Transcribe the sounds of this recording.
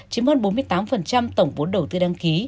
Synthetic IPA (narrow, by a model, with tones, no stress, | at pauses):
t͡ɕi˨˦mhəː˧nɓo˨˦nmɨ˧əjt̪aː˨˦mfə˨˩nt͡ɕa˧mt̪ə˧˩wŋ͡mɓo˨˦nɗə˨˩wt̪ɨ˧ɗaː˧ŋki˨˦